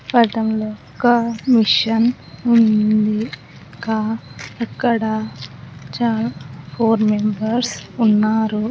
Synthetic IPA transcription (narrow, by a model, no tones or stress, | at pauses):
pɐʈɐmlɔ | kɐmiʂɐn | und̪i | kaːɐkːɐɽɐ | t͡ʃapʰoːɾmembɐɾsunːaːɾu